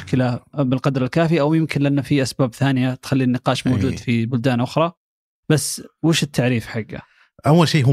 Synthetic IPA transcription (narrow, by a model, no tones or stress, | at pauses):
kɪlabɪlqɑd̪ɾˤɪlkaːfiʔawjɪmkɪnlʔanːafiʔasbaːbθaːnɪjat̪xalːinːɪqɑːʃmoːd͡ʒuːd̪fibʊld̪aːnʔʊxɾˤɑ | b̥asːwɪːʃɪt̪ʰːaʕɾiːfħaɡːa̰ | ʔawːalʃiːɦ